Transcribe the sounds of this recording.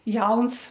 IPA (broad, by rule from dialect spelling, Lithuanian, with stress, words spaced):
ˈjɛʊns